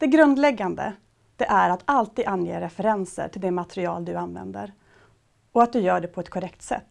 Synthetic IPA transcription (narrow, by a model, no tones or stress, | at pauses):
d̪̥ɛɡɾɵnd̪lɛɡːand̪ə̰ | d̪̥ɛʔæɾat̪ʰalt̪iːd̪anjḛːɾɛfɛɾɛnsə̰ʈʰɪld̪ɛmat̪ʰɾɪɑ̰ːld̪ɵanvɛ̰nd̪ə̰ɾ | ɔat̪̚d̪ɵjœːɖɛpʰɔɛt̪kʰʊɾɛkt̪sɛ̰t̪ː